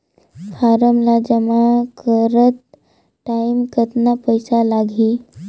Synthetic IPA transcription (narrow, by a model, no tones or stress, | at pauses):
faɾəmlad͡ʑəmakʰəɾət̪ | ʈaimkət̪napəjsalaɡʱiː